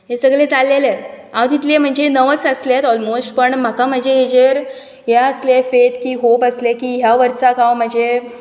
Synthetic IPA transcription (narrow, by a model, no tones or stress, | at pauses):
ɦesəɡlet͡salːelet̪ | ãwt̪it̪lem̤əɳd͡ʑenəʋəsəslet̪ɔlmosʈpəɳm̤akam̤əɳd͡ʑeɦed͡ʑəɾ | ɦjaəslefet̪kiːɦobəslekiːɦjaʋəɾsakãwm̤əɳd͡ʑe